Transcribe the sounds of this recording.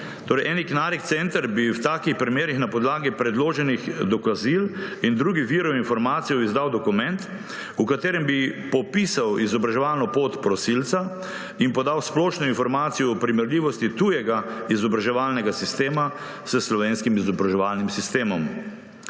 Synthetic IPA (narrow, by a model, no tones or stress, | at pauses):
t̪oːɾɛjʔɛniknaɾikt̪sɛnt̪əɾbiwt̪aːkixpɾimeːɾixnapɔd̪laːɡipɾɛd̪loːʒɛnixd̪ɔkazilind̪ɾuːɡiʋiːɾɔinfɔɾmaːt̪sijɔizd̪awd̪ɔkumɛnt̪ | ukat̪eːɾɛmbipɔpiːsawizɔbɾaʒɛʋalnɔpoːt̪pɾɔsilt̪sa | inpɔd̪awsplɔːʃnɔinfɔɾmaːt̪sijɔːpɾimɛɾlʲiːʋɔst̪it̪uːjɛɡaizɔbɾaʒɛʋaːlnɛɡasist̪eːma | səslɔʋeːnskimizɔbɾaʒɛʋalnimsist̪eːmɔm